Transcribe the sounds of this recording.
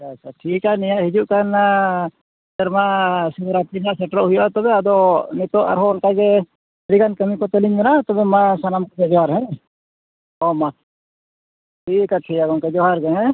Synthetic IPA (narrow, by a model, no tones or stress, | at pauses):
t͡ʃat͡ʃaʈʰiːkanijaʔɦid͡ʒuʔkana | ɛɾmasɛbɾap̪inaʔsɛʈɾɔʔɦujɔʔat̪ɔbɛad̪ɔnit̪ɔʔa̰ɾɦɔːnkaɡɛ | ɾiɡankəmikɔt̪əliɲbɛnat̪ɔbɛmasanamkɔsɛd͡ʒɔɦaɾɦɛ̃ | ɔma | ʈʰikaʈʰiːkaɡɔnkɛd͡ʒɔɦaɾɡɛɛ̃